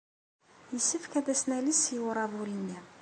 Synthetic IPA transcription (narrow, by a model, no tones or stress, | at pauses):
jəsːəfkæðæsnælisjəwɾˤɑðˤulinːi